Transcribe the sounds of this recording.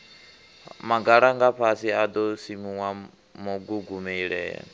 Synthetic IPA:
maɡaɺaŋɡaɸʰasiad̪ɔsimuwa | mɔɡuɡumɛiɺɛ̰ːa̰

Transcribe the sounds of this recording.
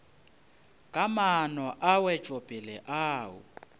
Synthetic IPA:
kʼamanɔʔawɛt͡ʃʼopʼɛlɛʔaːwʊ̰

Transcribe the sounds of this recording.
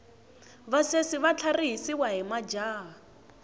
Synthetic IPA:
βasesɪβat͡ɬʰariɦisiwaɦimad͡ʒaː

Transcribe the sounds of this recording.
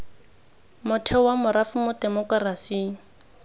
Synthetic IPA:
mʊtʰɛwamʊɾafʊmʊdɛmɔkrasiː

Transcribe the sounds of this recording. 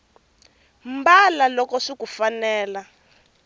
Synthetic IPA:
mbalalɔkɔʂikufanɛːla

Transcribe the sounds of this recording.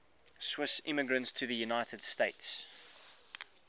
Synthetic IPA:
swɪsɪ̰̃məɡɹə̃ntstʰəðəjunaɪtəd̥steɪts

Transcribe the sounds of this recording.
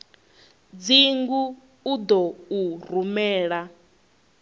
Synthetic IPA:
d͡ziŋɡuː | d̪ɔurumɛːɺa

